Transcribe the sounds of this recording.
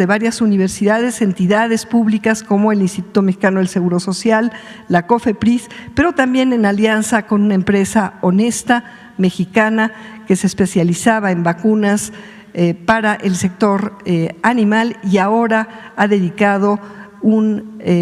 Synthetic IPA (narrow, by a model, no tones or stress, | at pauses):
eβaɾjasuniβ̞e̞ɾsiðað̞e̞se̞nt̪iðaðe̞spuβlikasko̞mo̞e̞linst̪it̪u̥t̪o̞mexi̥kanoðelse̞ɣuɾo̞so̞sjalː | ako̞fe̞pɾispe̞ɾot̪ambje̞ne̞naljansako̞nunaempɾe̞sao̞ne̞st̪a | me̞xikanake̞seːspe̞sjalisaβae̞mbakunas | paɾaʔe̞lse̞k̚t̪o̞ɾanĩmaliao̞ɾa | aðe̞ðikað̞o̞ | un